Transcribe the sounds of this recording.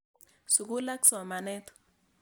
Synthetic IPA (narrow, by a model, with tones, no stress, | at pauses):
su˨ku˦la˦ksɔ˨ma˨nɛ˦t̪ɔ̥˨